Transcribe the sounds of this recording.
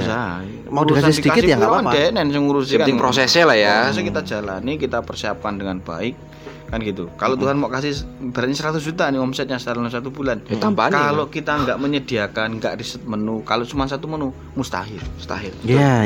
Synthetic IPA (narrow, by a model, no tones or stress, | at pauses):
isai | madiukasaɪsədikaɪt̪aŋkaɾaandenɛnsəŋuɾus̬iəkaɪŋpɾosɛselahjaas̬ukit̪ḁd͡ʒala̰nikit̪apərsiap̚kandəŋanb̥a̰ɪk̚ː | anɡit̪ukalot̪uɦanmaʔkasɪhb̥aɾat̪̚asəɾat̪us̬d͡ʒut̪aniɔmsɛt̪̚ɲasədalanlams̬at̪ubulant̪ampakalokit̪aŋɡaʔməɲədiakanŋɡaʔrisət̪̚mənukaloʔt͡ʃumas̬at̪umənu | must̪a̰ɦɪrmust̪a̰ɦɪrja